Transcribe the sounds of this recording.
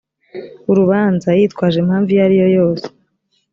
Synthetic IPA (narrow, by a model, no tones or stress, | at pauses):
uɾuβaːnzajiːtkwaːʒemhaːɱvijaɾijo̞jo̞ːse̥